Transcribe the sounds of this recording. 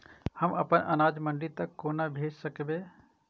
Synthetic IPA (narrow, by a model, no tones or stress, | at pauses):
hɐmɐpənʔɐ̰naːd͡ʒmə̃ɳɖit̪ɐkːoːnabʱeːd͡ʒsəkbeː